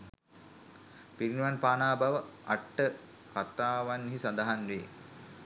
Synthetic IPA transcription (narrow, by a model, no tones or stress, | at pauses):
piɾinuʋanpaːnaːbaʋəʔaʈːə | kat̪aːʋanːɦisand̪aɦanʋeː